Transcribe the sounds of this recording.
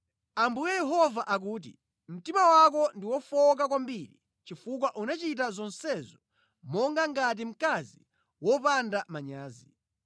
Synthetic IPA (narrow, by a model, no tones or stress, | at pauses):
ambujɛjɛɦɔvaʔak̬uːt̬ḭ | m̩timawak̬ɔndiwɔfɔk̬akwambiɾi | t͡ʃifuk̬waʔunat͡ʃit̬azɔnsɛzɔ | mɔŋɡaŋɡat̬im̩kazi | wɔpandamaɲaːzi